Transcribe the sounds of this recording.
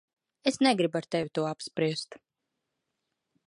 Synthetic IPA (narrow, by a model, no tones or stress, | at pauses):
esneɡɾibaɾt̪evʲit̪uɔapspɾiɛst̪